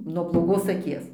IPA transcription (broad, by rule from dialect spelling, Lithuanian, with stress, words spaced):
nuɔ blˠoːˈɡoːs ɐˈkʲiɛs